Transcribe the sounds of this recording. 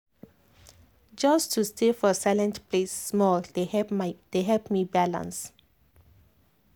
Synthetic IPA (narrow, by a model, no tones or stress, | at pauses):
d͡ʒʌstʰustʰefɔsaɪlɛ̃ntplesːmɔled̪̥eɦɛlpmibalə̰̃ns